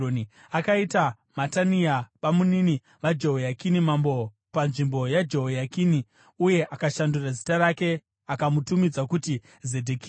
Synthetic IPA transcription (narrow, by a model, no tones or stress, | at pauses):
oni | akaita | mataniaʋamunini | ʋad͡ʒo̞ɦojakinimambo̞ | panʐimbo̞jad͡ʒo̞ɦojakini | uje̞ʔakaʃandurazitaɾake̞ | akamutumid͡zakuti | zedʱeki